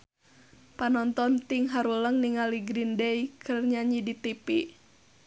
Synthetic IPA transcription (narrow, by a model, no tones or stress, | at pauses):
panɔnt̪ɔnt̪iŋɦaɾuləŋniŋaliɡɾindejkʰərɲaɲidit̪ipi